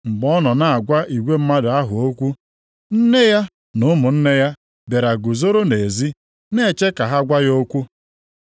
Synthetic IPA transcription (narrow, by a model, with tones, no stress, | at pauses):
ŋ͡m̩˨ɡ͡bɔ˦nɔ˨na˨a˨ɡʷa˦ʔi˨ɡʷe˦m̩˦ma˦dʊ˨a˦ɦʊ˨o˦kʷu˦ | n̩˦ne˦ja˦ | nʊ˦mʊ˨n̩˦ne˦ja˦ | be˨ɾa˨ɡʊ˨zo˦ɾo˦ne˨zi˦ | ne˦˨t͡ʃe˦ka˨ɦa˦ɡʷa˦jo˦kʷu˦